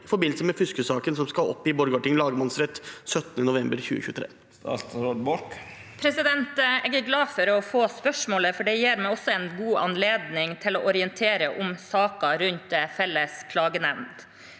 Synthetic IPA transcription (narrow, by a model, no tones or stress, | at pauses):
fɔɾbɪnl̩səmɛfʏskəsɑːkənsɔmskɑʔɔ̰pːɪbɔɾɡɑʈɪŋlɑːɡəmɑnsɾɛt̪ːsœt̪ənənʊʋɛmbəɾçʉ̰ːəçʉːət̪ʰɾḛː | t̪ɑ̰lt̪ɾɔd̪bɔʈ | pʰɾɛsɪd̪ɛnt̪ɛɡəɾɡlɑːfɔɾɔfoːspœʂmoːləfɔɖɛjeːɾmɛɔsːɔɛnɡuːʔɑ̰nleːd̪nɪŋt̪ʰɪlɔʔɔɾɪənt̪ʰeːɾəʔʊmsɑːkɑɾʉnt̪fɛlːəskʰlɑːɡənɛʋnd̪